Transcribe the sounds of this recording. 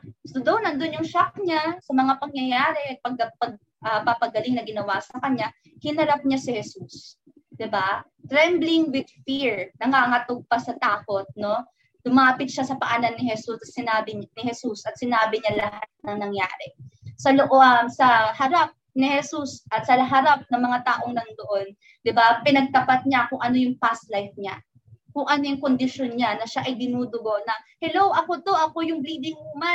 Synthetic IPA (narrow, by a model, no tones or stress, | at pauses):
sod̪ownɐnd̪onjʊŋʃak̚ɲasɐmɐŋapɐŋjɐjaːɾɛʔɐt̪̚pɐɡ̚ɐpɐɡ̚ | ʔɐpapɐɡɐlɪŋnɐɡɪnɐwasɐkɐɲa | hɪnhɐɾap̚ɲasɪhɛsus | d̪̥ɪba | t̪ɾɛmblɪŋwɪd̪̚fiɹnɐŋaːŋɐt̪oɡ̚pɐsɐt̪aːko̞t̪̚no̞ | d̪ʊmaːpɪt̪̚ʃasɐpɐʔanɐnːɪhɛsusɐt̪sɪnaːbɪɲnɪhɛsusʔɐt̪̚sɪnaːbɪɲalɐɦat̪̚nɐŋnɐŋja̰ːɾɛsɐloʔomsɐhɐɾap̚nɪhɛsusʔɐt̪sɐɦɐɾap̚nɐŋmɐŋat̪aːʔo̞ŋlɐŋd̪oʔon | d̪ɪbapɪnɐɡ̚t̪ɐpat̪̚ɲakʊŋʔɐno̞jʊŋpast̪lajf̚ɲa | kʊŋʔɐno̞jʊŋkond̪ɪʃonɲanɐʃaʔɐjd̪ɪnuːd̪ʊɡo̞ʔnɐhɛlowʔɐko̞t̪o̞ʔɐko̞jʊŋbliːd̪ɪŋuma